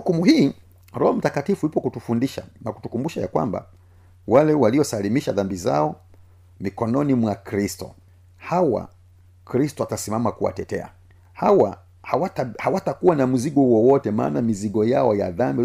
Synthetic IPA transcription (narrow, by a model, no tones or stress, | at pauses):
ukumuhiː | ɾɔhɔm̩takatifujupɔkutufundiʃa̰naku̥tukumbuʃaja̰kwa̰mba̰ | walɛwaliɔsalimiʃaðambiza̰ɔ | mikɔnɔnimwakɾistɔ̰ | hawa̰ | kɾistɔatasimamakuwa̰tɛtɛ̰a̰ | hawa | hawaahawatakuwanamuziɡɔwɔwɔtɛma̰ːnamiziɡɔjaɔja̰ðambi